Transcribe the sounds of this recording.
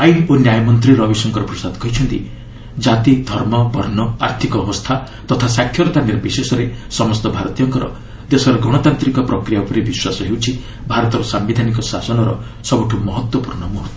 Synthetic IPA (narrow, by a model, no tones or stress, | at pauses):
ajnonjajɔmɔnt̪̬ɾiɾɔbisɔŋkɔɾɔpɾɔsad̪kɔɦit͡ʃʰɔnt̪i | d͡ʒat̪id̪ʱɔɾmɔbʱɔɾnɔa̰ɾt̪ʰikɔːbɔst̪ʰa | t̪ɔt̪ʰasakʰjɔɾɔt̪aniɾbisesɔɾesɔmɔst̪ɔbʱaɾɔt̪ijɔŋkɔɾɔ̰ | d̪esɔɾɔɡʱɔɽ̃ɔt̪ant̪ɾikɔpɾɔkɾijaupɔɾebiswasɔɦewt͡ʃʰi | bʱaɾɔt̪ɔɾɔsambid̪ʱanikɔsasɔnɔɾɔ̰ | sɔbɔʈʰumɔɦɔt̪wɔpuɾɳɔmɔɦɔt̪ː